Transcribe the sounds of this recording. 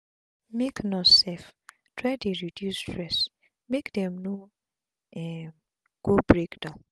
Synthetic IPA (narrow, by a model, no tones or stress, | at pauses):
meknɔsɛf | tʰɹadeɹidjustɹɛs | mekdɛ̃mno | ɛ | ɡ̥obɹekdã